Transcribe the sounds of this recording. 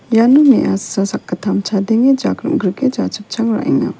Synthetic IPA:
janumiʔasasakːatʰamt͡ʃʰadeŋed͡ʒakɾṵmɡɾiked͡ʒat͡ʃɯp̚t͡ʃʰaŋɾa̰ʔiŋa̰

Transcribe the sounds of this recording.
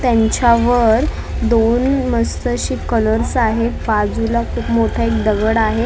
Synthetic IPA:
t̪jaɲt͡ɕaʋəɾ | d̪onməst̪əɕiːkələɾsaɦebfad͡zulakʰuːpmoʈʰaekd̪əɡəɽaɦe

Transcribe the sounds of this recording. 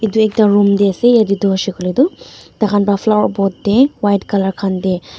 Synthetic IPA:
iduek̚taɾumdesejadidɔsikɔlidutakʰanbapʰlawɾbɔt̚dewajtkalaɾkʰande

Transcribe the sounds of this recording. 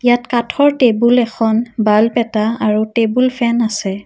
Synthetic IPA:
jatkatʰɔɹtebulɛkʰɔnbalpɛtaaɹutebulpʰɛnasɛ

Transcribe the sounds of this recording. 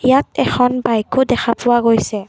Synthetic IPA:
jatɛxʰɔnbajkʊdɛxʰapʊwaɡojsɛ

